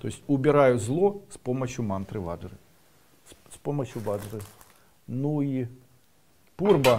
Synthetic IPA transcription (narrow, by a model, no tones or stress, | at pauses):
t̪ɔjɪsʲtʲubʲiɾajʊzlˠɔspɔmɐt͡ɕʲːjʊmant̪ɾɨva̰d̪ɾɨ | spɔmɐt͡ɕʲjuvad̪ɾɨ | nui | purbɐ